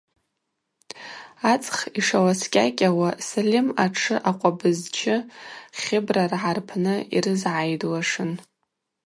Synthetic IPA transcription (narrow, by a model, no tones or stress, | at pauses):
at͡sʼχiʂawaskʲʼakʲʼawasalʲimaʈ͡ʂʰɨʔaqʷʼabɨzt͡ʃʰɪχʲɪbrarʕarpʰnɨḭrɨzʕajdwaʂɨn